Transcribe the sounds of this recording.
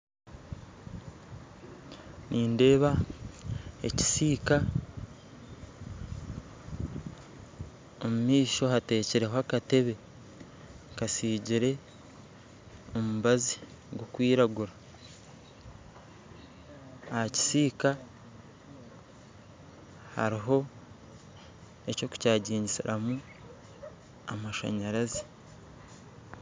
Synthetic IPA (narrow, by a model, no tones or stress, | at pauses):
nʔiːnde̞ːβa | e̞ci̥siːka | omumiːʃo̞hate̞ːceɾeɦoakate̞βe̞ | kasiːɟiɾe̞ | o̞muβazi | ɡokwiːɾaɡuɾa | haci̥siːka | ha̰ɾiɦo̞ | e̞co̞ku̥caːɟiːɲɟisiɾamu | amaʃa̰ɲaɾazi̥